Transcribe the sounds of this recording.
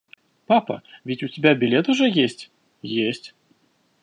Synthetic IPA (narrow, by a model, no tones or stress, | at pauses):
papɐ̰vʲitʲutʲɪbʲabʲɪlʲɛt̪uʐɛjesʲt͡sʲ | jesʲt͡sʲ